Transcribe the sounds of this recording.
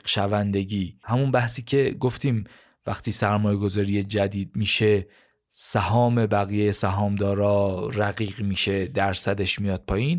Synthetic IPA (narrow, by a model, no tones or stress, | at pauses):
ʃævænd̪e̞ɟiːhæmunbæhsiːcʰe̞ɡo̞ft̪ʰiːm | væ̰xt̪iːsæɾmɒːje̞ɡo̞zɒːɾije̞d͡ʒæd̪iːd̪̥̚miːʃe̞ | sæhɒːme̞bæɣijejesæɦɒːmd̪ɒːɾɒːɾæɣiːɣmiːʃe̞d̪æɾsæd̪e̞ʃmijɒːd̪̥̚pʰɒːjiːn